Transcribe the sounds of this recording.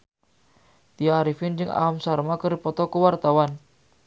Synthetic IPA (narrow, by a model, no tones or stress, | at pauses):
t̪iaːɾifɪnd͡ʒɨŋʔa̰amsarmakəɾipɔt̪ɔkəwart̪awan